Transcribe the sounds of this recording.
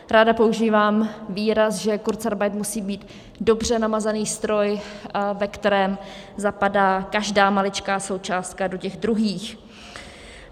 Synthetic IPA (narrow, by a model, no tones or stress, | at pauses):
ɾaːdapo̞uʒiːvaːmviːɾasʒɛkuɾt̪t͡saɾbajt̪musiːbiːt̪ | do̞br̝ɛnamazaniːst̪ɾo̞jvɛkt̪ɛɾɛːm | zapadaːkaʒdaːmalɪt͡ʃkaːso̞wt͡ʃaːst̪̚kado̞cɛɣdɾuɦiːx